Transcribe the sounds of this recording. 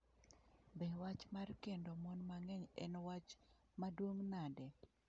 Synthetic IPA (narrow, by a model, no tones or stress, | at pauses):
bɛwat͡ʃmarkendɔmɔnmaŋɛɲɛ̰nwat͡ʃ | madwoŋnadɛ